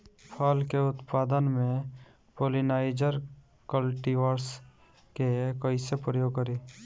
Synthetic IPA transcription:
pʰalkeʊt̪paːd̪ənmẽ | poːlinaːɪd͡ʒəɾ | kəlʈiʋəɾs | kekəisepɾəjoːɡkəɾe

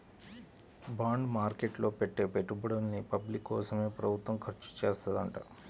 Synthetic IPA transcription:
baːɳɖmaːɾkeːʈlo̞ːpeʈːe̞ːpeʈːubɐɽɐnːipɐblikːɔːsɐme̞ːpɾɐbʱut̪ʋɐmkʰɐɾt͡ʃu̥t͡ʃeːst̪ɐd̪ɐɳʈɐ̰

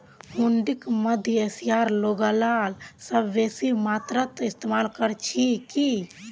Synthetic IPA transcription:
huɳɖikməd̪ʱjesiaɾloɡəlalsəbːesimat̪ɾət̪ist̪emalkəɾt͡ʃʰiki

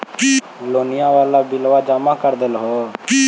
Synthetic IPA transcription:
loːnɪjãːʋaːlabɪlʋaːd͡ʒaːmaːkəɾd̪əlɦoː

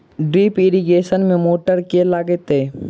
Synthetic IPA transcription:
ɖɾiːpɪɾiɡeːʃənmẽmoːʈəɾkelaːɡet̪eː

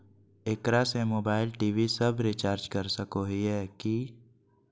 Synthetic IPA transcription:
ekɾasemoːbaːɪlʈiːʋisɐbɾit͡ʃaːɾd͡ʒkɐɾsəkoɦiɦɛːki

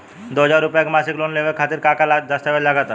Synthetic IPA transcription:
d̪oɦəd͡ʑaɾːupjakmasiklonleʋəɾkʰat̪iɾkakalad̪əst̪aʋeɾlaɡat̪a

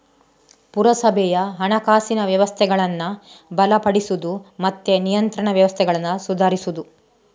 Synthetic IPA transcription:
puɾɐsɐbʱɛjɐɦɐɳɐkaːsinɐʋjɐʋɐst̪ʰɛɡɐɭɐnːɐbɐlɐpɐɽisud̪umɐt̪ːenijɐnt̪ɾɐɳɐʋjɐʋɐst̪ʰɛɡɐɭɐnːɐsud̪ʱaːɾisud̪u

